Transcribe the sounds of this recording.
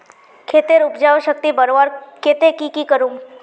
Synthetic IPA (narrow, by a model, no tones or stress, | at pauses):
kʰeːt̪eɾʊpd͡ʒaːoʃək̚t̪ibəɾoaːɾket̪ekikikəɾũŋ